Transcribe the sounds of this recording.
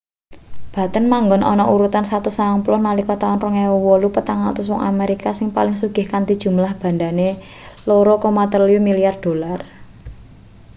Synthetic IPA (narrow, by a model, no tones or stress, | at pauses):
b̥ä̤t̪ənmaŋɡɔnɔ̰nɔʔuɾut̪ansat̪usaaŋplɔhnalikɔt̪aɔnrɔŋewɔwɔlupət̪aŋat̪ɔs̬wɔŋa̰meɾikasɪŋpalɪŋsuɡ̥ɪ̤hkant̪id̥ʒ̥ṳmlahb̥a̤nd̪ane | loɾɔkɔmat̪əlijumilijard̪̥o̤lar